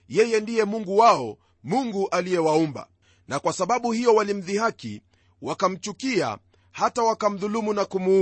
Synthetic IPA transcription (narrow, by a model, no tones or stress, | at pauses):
jɛjɛndijɛmuŋɡuwaɔ | muŋɡuʔalijɛwaumba̰ | nakwasaɓaɓuhijɔwalim̩ðihakḭ | wakam̩t͡ʃukia̰ | hatawakam̩ðulumunakumu